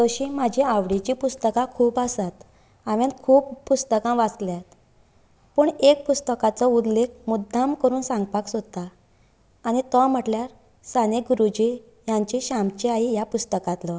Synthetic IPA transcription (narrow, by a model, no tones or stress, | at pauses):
d͡z̪ɔɕĩmad͡ʑʱiaʋɽit͡ɕipust̪əkãkʰuːpasat̪ | aʋjãnkʰuːppust̪əkãʋat͡sljat̪ | pəɳek̚pust̪əkat͡sɔud̪lek̚ʰmud̪ʱːamkəɾuːnsãŋɡpaksot̪aː | nit̪ɔm̤əʈljaɾ | saneɡuɾud͡ʑi | jaɲt͡ɕiɕamt͡ɕiaɦijapust̪əkat̪lɔ